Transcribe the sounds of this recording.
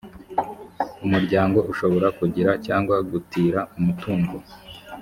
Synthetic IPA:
umuɾɟaːŋɡo̞ʔuʃo̞βo̞ɾakuɟiɾacaːŋɡwaɡutiːɾaumutuːŋɡo

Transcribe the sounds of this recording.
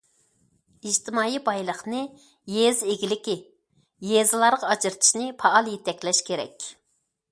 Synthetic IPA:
iʒt̪ʰɪmɑːibɑjlˠəχnɨ | jezeɡʲilɪkʲi | jezɨlˠɑɾʁɑɑd͡ʒɨɾt̪ʰɪ̥ʃnɪpʰɑːlˠijit̪ʰɛkʲlɛʃkʲʰeɾɛ̰kʲ

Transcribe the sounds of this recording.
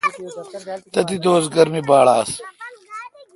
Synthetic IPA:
t̪ɐt̪id̪oːzɡɐɾmibaːɽaːs

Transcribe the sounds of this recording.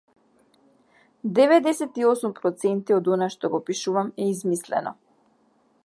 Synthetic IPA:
d̪ɛvɛd̪ɛsɛt̪iɔsumpɾɔt̪sɛnt̪iɔd̪ɔnaʃt̪ɔɡɔpiʃuvamɛizmislɛ̰nɔ̰

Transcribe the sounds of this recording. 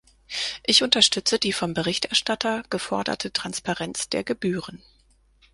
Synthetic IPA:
ʔɪçʊntɐʃtʏt͡sədiːfɔmbəʁɪçtʔɛɐʃtatʰɐɡ̥əfɔɐdɐ̰tʰətʁ̥anspaʁɛnt͡sd̥eːɐɡəbyːʁən

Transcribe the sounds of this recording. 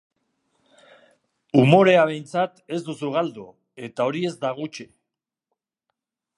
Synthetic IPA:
umo̞ɾe̞aβ̞ejnt͡sat̪e̞zd̪usuɣ̞ald̪u | e̞t̪ao̞ɾie̞zd̪aɣ̞ut͡ʃe

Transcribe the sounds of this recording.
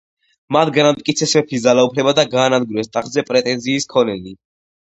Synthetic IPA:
mat̪ʰɡanamt̪ʼkʼit̪sʰɛsmɛpʰisd̪zalaupʰlɛbad̪aɡaːnad̪̚ɡɾuɛst̪ʼaχzɛpʼɾɛt̪ʼɛnziːskʰɔnɛli

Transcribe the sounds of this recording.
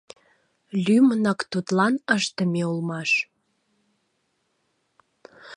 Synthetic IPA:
lymənɑkt̪ut̪lɑnəʃt̪əmeulmɑʃ

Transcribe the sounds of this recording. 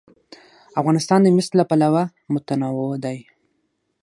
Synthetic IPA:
afɣɑnɪst̪ɑnd̪əmɪslapalawa | mʊt̪anawod̪aj

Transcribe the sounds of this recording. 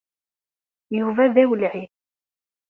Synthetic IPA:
juvæðæwəlʕi

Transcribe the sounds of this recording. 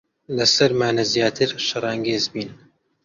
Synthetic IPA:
lɐsɐɾmaːnɐzjaːt̪ʰɨɾʃɨɾˤɑːŋɡeːzbiːn

